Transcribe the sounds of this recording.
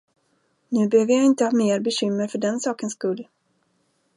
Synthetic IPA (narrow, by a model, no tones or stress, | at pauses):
nʉ̟ːbɛhøːvəjaɪnt̪əhɑːmeːɾbɛɕʏmːəɾfœɖɛnsɑːkənskɵlː